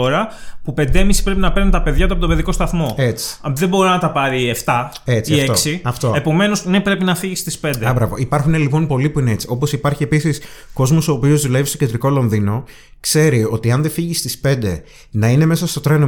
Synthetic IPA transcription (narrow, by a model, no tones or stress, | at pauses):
oɾɐpupe̞nd̪eemisi̥pɾe̞pinɐpeɾnet̪ɐpe̞ðʝɐt̪uɐpoo̞beðiko̞st̪ɐθmo̞et͡si̥ðe̞bo̞ɾinɐt̪ɐpɐɾieft̪ɐ | e̞t͡siiɐet̪oksiɐft̪oepo̞me̞nosnepɾe̞pinɐfiʝist̪ispe̞nd̪ebɾɐvo̞̰ipɐɾxune̞lipo̞npo̞lipuinee̞t͡si̥o̞po̞sipɐɾçie̞pisisko̞zmo̞so̞ːpio̞zðule̞vist̪ocend̪ɾiko̞lo̞nðino̞ | kse̞ɾio̞t̪iɐnðefiʝist̪ispe̞nd̪e̞ | nɐine̞me̞sɐst̪o̞t̪ɾeno